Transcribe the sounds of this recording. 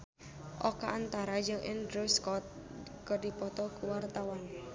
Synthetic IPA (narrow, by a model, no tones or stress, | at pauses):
ʔokaʔːnt̪aɾad͡ʒɨŋʔɛ̰nd̪ɾuskɔt̪̚ | kəɖipɔt̪ɔkuwart̪awan